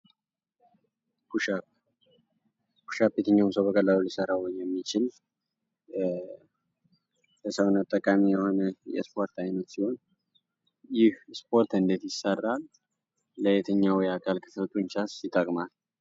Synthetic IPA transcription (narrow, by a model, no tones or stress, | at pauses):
kuʃa | ku̥ʃapjɛt̪ʰəɲːaumsəwbəkʼəlːalulisəɾawɲjɛmːit͡ʃɪl | ləsəwnat̪ʼːəkʼamijɛho̞nəjɛ̰spʰo̞ɾt̪ʰajnət̪siho̞n | jɪhspʰʼo̞ɾt̪ʰɨnd̪et̪jɪsərːalː | əjɛt̪ʰəɲːawɔjakʰalkʰə̥ft̪ʼuɲt͡ʃasɪt̪ʼːəkʼmal